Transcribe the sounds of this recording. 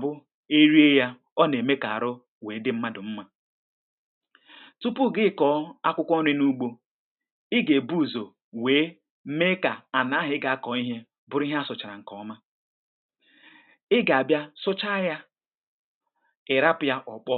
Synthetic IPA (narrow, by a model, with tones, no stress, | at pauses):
bʊ˦ | e˦ɾi˦e˦ja˦ | ɔ˦ne˨me˦ka˨a˨ɾʊ˦ | we˨˦dɪ˦m̩˦ma˦dʊ˨m̩˦ma˦ | tu˦pu˦˨ɡɪ˦˨kɔ˦a˦kʷʊ˦kʷɔ˦ne˦nu˦ɡ͡bo˦ | ɪ˦ɡe˨bu˦˨zo˨ | weː˨˦ | me˦ka˨a˨na˨˦ɦɪ˦ɡa˨a˦kɔ˨˦i˦ɦe˦ | bʊ˨ɾi˦ɦe˦a˦sʊ˨t͡ʃa˨ɾa˨ŋ̩˨kɔ˨˦ma˦ | ɪ˦ɡa˨a˨bja˦sʊ˦t͡ʃa˦ja˦ | ɪ˨ɾa˦pʊ˨ja˦ʔɔ˨k͡pɔ˦